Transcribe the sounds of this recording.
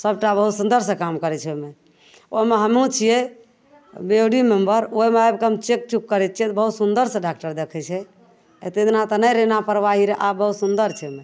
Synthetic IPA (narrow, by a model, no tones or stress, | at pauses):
səb̚ʈabəɦut̪sund̪əɾsə̃kamkəɾɛt͡ʃʰɛome | oɦimeɦəmũt͡ʃʰijɛ | boɖimembəɾoɦemeajbkeɦəmt͡ʃek̚t͡ʃukːəɾɛt̪̚t͡ʃʰiɛt̪ɔbəɦut̪sund̪əɾsəɖak̚ʈəɾd̪ekʰɛt͡ʃʰɛ | et̪ed̪nat̪ɔnəjɾenapəɾʋaɦiɾeʔabəɦut̪sund̪əɾt͡ʃʰɛome